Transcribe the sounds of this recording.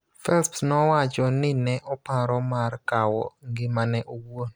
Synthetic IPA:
fɛlpsnɔwat͡ʃɔnɪnɛʔɔpaɾɔmarkawɔ̰ŋɡɪmanɛʔowon

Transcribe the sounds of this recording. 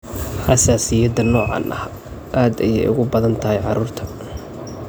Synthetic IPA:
ħɑsaːsɪjɐd̪ɐnɔːʕɑ̰nʔɐ̰h | ʔaːd̪ɐjɛ̰jʔʊ̰ɣʊbɐðɐnt̪ʰɐɦɛjʕɑɾuːrt̪ʰɐ̥

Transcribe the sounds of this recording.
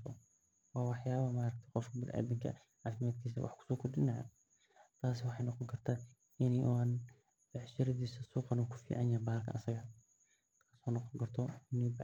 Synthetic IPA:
ɔ̰ | wɑːwɑħjaːβɐmaːɾɐkt̪ʰɪqɔfkʰɐbɪlʔæ̰ːd̪ɪŋkʰɐ̰ | ʕaːfɪmaːd̪̚kʰiːs̬ɐwʔɑ̰ħkʰʊ̥sɔːkʰɔrd̪ɪnɐjɐ̰ | t̪ʰaːsɪwɑħɑjnɑqɔŋkʰɐrt̪ʰaː | ʔɪniʔan | bɑʕʃɪɾɐðiːsɐsuːqɑnuːkʰʊ̥fḭːʕɑnjaːbaːlkʰɐ̰ʔɐsɐɣɐ | t̪ʰasɔːnɔqɔŋkʰɐrt̪ʰɔɪni

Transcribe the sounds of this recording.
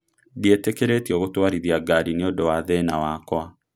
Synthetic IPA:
dietekeɾetiɔɣotwaɾiðiaɡaɾineodowaðɛnawakwa

